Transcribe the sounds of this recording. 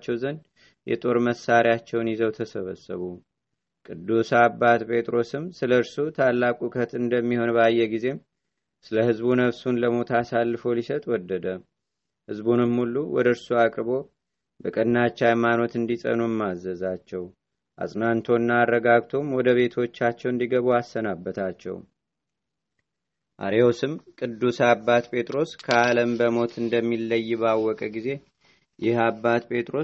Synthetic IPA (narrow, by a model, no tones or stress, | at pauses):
t͡ʃːɛwzən | jɛ̰t̪ʼo̞ɾməsaɾiat͡ʃːɛwnjizəwt̪ʰəsəβəsːə̰βu | kʼɨd̪ːusabːat̪pʰe̞t̪ʼɾo̞sɨmsɨləɨɾsut̪ʰalːakʼukʰət̪ɨnd̪əmːiho̞nbajːɛɡize̞m | sɨləhɨzbunəβsunləmo̞t̪ʰasalːɨfo̞lisət̪ʼwɔd̪ːəd̪ə | hɨzbunɨmhulːuwɔd̪əɾsuakʼɾβo̞ | bəkʼənːat͡ʃːajmano̞t̪ɨnd̪isʼə̰nujɛmːazːəzat͡ʃːɛw | ʔa̰sʼnant̪ʰo̞nːaːrːəɡaɡt̪ʰo̞mwɔd̪əβe̞t̪ʰo̞t͡ʃːat͡ʃːɛwɨnd̪iɡəβuasːənabːət̪ʰat͡ʃːɛ̰w | ʔa̰ɾeosɨmkʼɨd̪ːusabːat̪pʼʰe̞t̪ʼɾo̞skʰəaləmbəmo̞t̪ʰɨnd̪əmːilːəjːβawːɔkʼəɡize̞ | jɪhabːat̪pʼʰe̞t̪ʼɾo̞